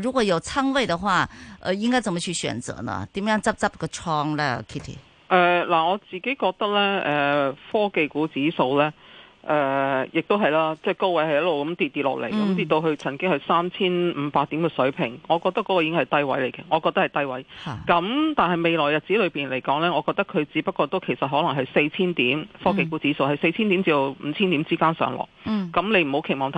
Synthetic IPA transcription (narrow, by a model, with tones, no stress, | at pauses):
ɻuː˨˥kwɔ˨˩jo˨˩ʊt͡sʰa˥ŋwe˥˩ɪd̪ə˨xwa˥˩ʔə̰˧i˥ŋka˥t͡sə˨˩nmə˧t͡ɕʰy˥˩ɕɥɛ̰˨˩nt͡sɤ̰˧˥nə̰˧t̪i˨˥m˦jɑ˥˧ŋt͡sɐ˥p̚t͡sɐ˥p̚ɡə˧ʈ͡ʂʰɔ˧ŋlə˧kʰi˥˩t̪ʰḭ˨˩ | ʔɛː˨˩la˨˩ŋɔː˨˧t͡siː˨˩ke˨˥jkɔː˧k̚t̪ɐ˥k̚lɛ˥ɛː˨˩fɔː˥ke˨jkuː˨˥t͡siː˨˥so˧wlɛː˥ʔɛː˨˩jɪ˨k̚t̪o˥ɦɐ˨˩jlaː˥t͡sɛː˥˩ko˥wɐ˧˥jhɐ˨jɐ˥lo˨˩wkɐ˨˦mt̪iː˨t̪̚ːiː˧t̚lɔ̰ː˨k̚le˨˩jkɐ˥˦mt̪iː˨t̪̚t̪o˧ɦɵ˧t͡sʰɐ˨˩nkɪ˥ŋhsaː˥mt͡sʰiː˥nm̩ː˨˧˦paː˧k̚t̪iː˨˥mkɛː˧sɵ˨˥ɥpʰɪ˨˩ŋŋɔː˨˧kɔː˧k̚t̪ɐ˥kːɔː˨˧˥kɔ˧iː˧˥kɪ˥ŋhɐ˨˩jt̪ɐ˥jwɐ̰˨˥jle˨˩jkɛː˧ŋɔː˨˧kɔː˧kt̪ɐ˥hɐ˨jt̪ɐ˥jwɐ˨˥jkɐ˨˥mt̪aː˨nhɐ˨jme˨jlɔː˨˩jɐ˨t̚t͡siː˨˥lɵ˨˧piː˨˩nle˨˩jkɔː˨˥ŋlɛː˥ŋɔ˨˧kɔː˧k̚t̪ɐ˥kʰɵ˨˧ɥt͡siː˨˧˥pɐ˥t̚kʷːɔː˧t̪o˥wkʰe˨˩sɐ˨t̚ɦɔː˨˥lɐ˨˩ŋɦɐ˨jse˧jt͡sʰiː˥nt̪iː˨˥mfɔː˥ke˨jkuː˨˥t͡siː˨˥so˧whɐ˨jse˧jt͡sʰiː˥nt̪iː˨˥mt͡si˧d̪o˨˧m̩˨˧t͡sʰiː˥nt̪iː˨˥mt͡siː˥kaː˥nsœ̰ː˨˧˥ŋlɔ̰ː˨˩kkːɐ˨˥mle˨˧m̩˨˩ho˨˥wkʰe˨˩jmɔː˨˧ŋt̪ʰ